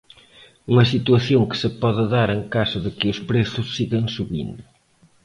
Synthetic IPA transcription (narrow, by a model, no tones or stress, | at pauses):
uŋɐsit̪uɐθjõŋkɨ̥sɨpɔðɪðaɾẽŋkasɐðɪkɪʊspɾeθʊsːiɣɐ̃ŋ̃suβḭ̃nd̪ʊ